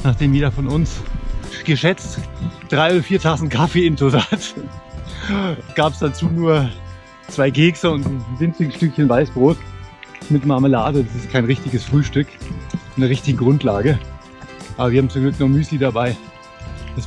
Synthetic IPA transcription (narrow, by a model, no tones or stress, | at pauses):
naːχd̥eːmjeːdɐfɔnʊnsɡ̥əʃɛt͡std̥ʁaɪoːɾɐfiːɐtʰasn̩tkʰafeːɪntʰozaːt | ɡ̥aːpsd̥at͡suːnuːɐ | t͡sv̥aɪɡeːksɐʊntnn̩vɪnt͡sɪɡəsʃtʏkçənvaɪsb̥ʁoːtmɪtmaɐməlaːdədasɪstkʰaɪnʁɪçtɪɡəsfʁ̥yːʃtʏkɪnɐʁɪçtɪɡŋ̩ɡʁʊntlaːɡə | ʔaːbɐviːɐhabmt͡sʊmɡlʏknɔχmyːsidabaɪ | d̥as